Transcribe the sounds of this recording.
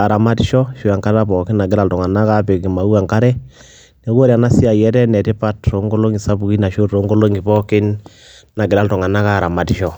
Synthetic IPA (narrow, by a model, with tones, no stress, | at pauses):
a˨ɾa˨ma˦tʃɔ˦ʃu˦˨a˨ŋka˦ɾa˦pɔ˨kɪ˦nna˨ɡɪ˦ɾa˦˨ltɔ˨ŋa˨na˦ka˦pe˨ki˨ma˨u˦a˨ŋka˦ɾɛ˦ | ne˨˦ko˦ɾja˨na˦si˦a˨jɛ˦ɾɛ˦nɛ˨tɪ˦pa˦tɾo˨˦ŋɡo˦lo˦ŋi˨sa˦bu˨ki˦na˨ʃo˦tɾo˨˦ŋɡo˦lo˦ŋi˨pɔ˦kɪ˦n | na˨ɡɪ˨ɾa˦ltɔ˨ŋa˨na˦ka˦˨ɾa˨ma˨tʃɔ˦